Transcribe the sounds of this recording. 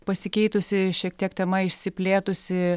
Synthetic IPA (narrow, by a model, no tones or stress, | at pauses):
pɐsʲɪkʲɛɪt̪ʊsʲɪʃʲiɛk̚t̪ʲiɛkt̪ʲɛmɐɪʃʲsʲɪpʲlʲeːt̪ʊsʲɪ